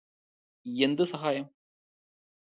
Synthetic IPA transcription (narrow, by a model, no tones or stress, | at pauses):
ɛnd̪ɯsɐɣaːjɐm